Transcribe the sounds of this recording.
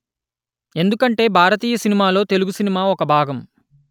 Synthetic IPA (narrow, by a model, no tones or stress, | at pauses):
e̞nd̪ukɐɳʈe̞ːbʱaːɾɐt̪iːjɐsinimaːlo̞ːt̪e̞luɡusinimaːɔkɐbʱaːɡɐm